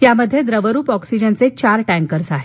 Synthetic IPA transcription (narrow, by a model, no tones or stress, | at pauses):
t̪jaməd̪ʱːjed̪ɾəʋəɾuːpɔksid͡ʑənt͡set͡ɕaɾʈæ̃ŋkəɾsaɦe